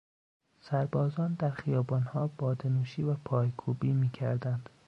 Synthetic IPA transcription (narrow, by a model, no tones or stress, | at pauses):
sæɾbɒːzɒːnd̪æɾxijɒːbɒːnhɒːb̥ɒːd̪enuːʃiːvæpʰɒːjkʰuːbiːmiːcʰæ̰ɾd̪ænd̪̥